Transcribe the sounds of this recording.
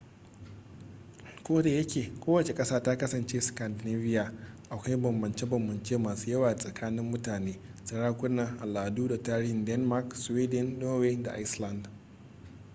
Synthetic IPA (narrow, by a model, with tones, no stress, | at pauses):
kʷoː˦da˨jɐ˦kʲeː˨kʷoː˦wɐ˨t͡ʃe˨kʼɐ˦saː˦taː˦kɐ˦sɐ˨nt͡ʃeː˦skɐ˨ndne˦vɪ˦jaː˨ʔa˨kʷa˦i˦bɐ˨mbɐ˨nt͡ʃe˦bɐ˨mbɐ˨nt͡ʃeː˦maː˨su˦jɐ˦waː˨sʼɐ˨kʰaː˦nɪ˦mːʊ˦taː˨neː˦ | tɐ˨ɽaː˦kʷʊ˦na˨ʔa˨laː˨duː˦da˨taː˦ɽɪ˦hɪ˨ndɛ˦nma˦ksweː˦dɛ˦nːoː˦weː˦da̰˨ʔa˦jsla˨nd